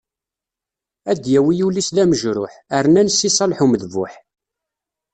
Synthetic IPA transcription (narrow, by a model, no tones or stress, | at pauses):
æd̪jæwijulisðæməʒɾʊħəɾnænsːisˤɑlħuməðvʊ̰ħ